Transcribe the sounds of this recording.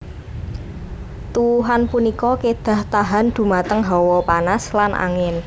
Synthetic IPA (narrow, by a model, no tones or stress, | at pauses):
t̪uɦanpunikɔked̪̥a̤ht̪aɦa̤nd̪̥ṳmat̪əŋɦɔwɔpanaslanʔa̰ŋɪn